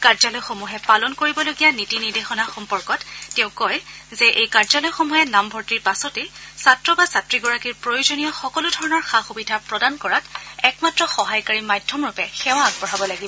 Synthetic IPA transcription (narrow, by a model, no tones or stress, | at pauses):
kaɹzɔlɔjxomuɦɛpalɔnkoɹibɔloɡijanitinidexɔnaxɔmpɔɹkɔtːɛʊ̃kɔjzɛʔejkaɹzɔlɔjxomuɦɛnambʱɔɹtiɹpasɔtesatɹɔbasatɹiɡɔɹakiɹpɹojozonijɔxɔkɔludʱɔɹɔnɔɹxaxubidʱapɹɔdankɔɹatɛkmatɹɔxɔɦajkaɹimajdʱɔmɹupɛxɛw̃aːɡ̚bɔɹabɔlaɡibɔ